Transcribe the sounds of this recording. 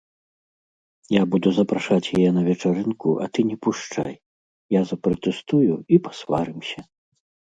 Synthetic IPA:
jabud̪uzɐpɾaʂat͡sʲjajɛnɐvʲɛt͡ʂaɾɨnkuʔɐ̰t̪ɨnʲɛpuʂt͡ʂa̰j | jazɐpɾɐt̪ɛst̪ujuipḁsva̰ɾɨmsʲɐ

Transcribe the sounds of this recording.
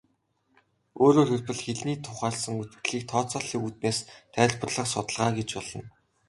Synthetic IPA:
oːɾoːrxerpɘ̆ɮxeɮniːt̪ʰʊχaːɮsə̆ŋut̪ɮiːk̚t̪ʰɔːt͡sɔːɮiːut̪̚neːst̪ʰæːɮpə̆rɮə̆χsʊt̪̆ɮʁaːɡet͡ɕpɔɮə̆n

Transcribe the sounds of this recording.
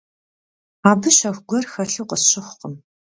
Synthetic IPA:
aːbɨɕɐxʷɡʷɔrxɐɬuːqəsɕɪxʷʊqəm

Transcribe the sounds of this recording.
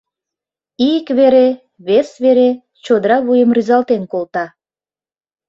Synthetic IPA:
ikβeɾe | βesβeɾe | t͡ɕod̪əɾɑβujəmryzɑlt̪enkolt̪ɑ

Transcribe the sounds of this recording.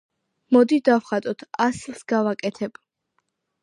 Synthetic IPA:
mɔd̪id̪avχat̪ʼɔt̪ʰaslˠsɡavakʼɛt̪ʰɛb̥

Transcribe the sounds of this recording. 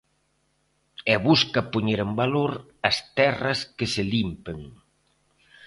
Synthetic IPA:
ɛβuskɐpoɲeɾembaloɾ | ɐst̪ɛrɐskɪsɪlimpeŋ

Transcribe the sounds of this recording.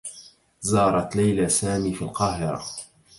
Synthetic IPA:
zɑːɾˤɑt̪lajlasaːmiːfilqɑːɦɪɾa̰

